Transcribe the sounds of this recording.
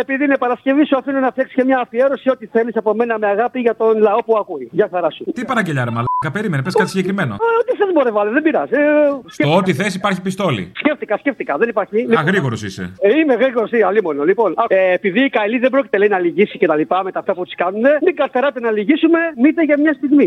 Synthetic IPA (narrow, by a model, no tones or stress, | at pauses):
epiðinepɐɾɐsce̞visuɐfinunɐft̪jɐksi̥scemɲɐːfie̞ɾo̞siot̪iθe̞lisɐpo̞me̞nɐmeɐɣɐpiʝɐt̪o̞nlɐo̞puɐkuiʝɐxɐɾɐsut̪ipɐɾɐɲɟeʎɐɾemɐlikɐpe̞ɾime̞nepeskɐt̪isiɟekɾime̞no̰ot̪iθezboɾevɐlðembiɾɐzsceoot̪iθesipɐɾçipist̪o̞lḭsceft̪ikɐsceft̪ikɐðe̞nipɐɾçiliɣɾiɣo̞ɾosisḛimeɣɾiɣo̞ɾosiɐlimo̞nolipo̞nɐːpiðiːkɐjliðebɾo̞ci̥t̪e̞lɐinɐliʝisice̞t̪ɐlipɐme̞t̪ɐft̪ɐput̪i̥skɐnune̞miɡɐɾθeɾɐt̪enɐliʝisume̞mit̪eʝɐmɲɐst̪iɣmi